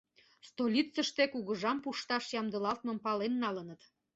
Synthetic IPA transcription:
st̪olʲit͡səʃt̪ekuɣəʒɑmpuʃt̪ɑʃjɑmd̪əlɑlt̪̚mə̆mpɑlenːɑlənət̪

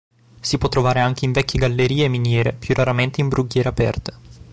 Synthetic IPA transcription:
sipwɔt̪ːɾovaːɾeaŋk̟eiɱvɛkʲːeɡalːeɾiːeminjɛːɾepjurʔaɾament̪eimbɾuɡːjɛːɾeapɛ̰rt̪e̥

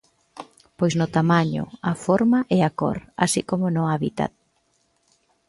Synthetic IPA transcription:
pojznʊt̪amaɲʊ̰afoɾmaʔɛako̰ɾa̰sikomonʊaβit̪a̰t̪̚

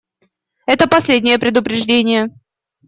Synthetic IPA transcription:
ɛt̪əpɐsʲlʲedʲnʲɪjəpɾʲɪd̪ʊpɾʲɪʐdʲenʲɪjə

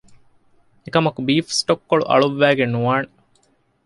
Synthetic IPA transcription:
ekɐmɐkubiːfsʈokːoɭṵʔɐ̰ɭuʋːæːɡenuaːne

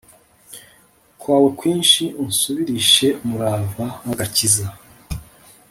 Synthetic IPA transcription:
kwaːwe̞kwiːnʃiunsuβiɾiʃe̞muɾaːvahaɡaciza

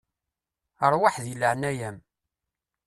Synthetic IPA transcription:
əɾˤwaħðjəlːəʕnæjæm

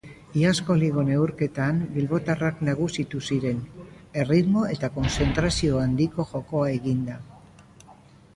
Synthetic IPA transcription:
iasko̞liɣ̞o̞ne̞wɾke̞t̪ambilβo̞t̪araknaɣ̞usit̪usiɾe̞ne̞riðmo̞e̞t̪ako̞nse̞nt̪ɾasio̞and̪iko̞ʝo̞ko̞ae̞ɣind̪a

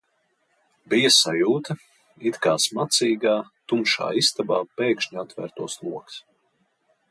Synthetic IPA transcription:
bijasajuːt̪ɐ | it̪kaːsmat̪siːɡaːt̪umʃa̰ːist̪abaːpɛːkʃɲat̪væ̰ɾt̪uɔslˠuɔks

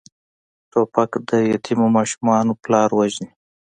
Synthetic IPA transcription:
ʈopakd̪əjat̪ʰimomɑʃumɑnoplɑːɾwaʒni

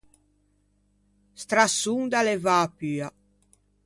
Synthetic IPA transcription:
st̪ɾasːund̪alɛvapya

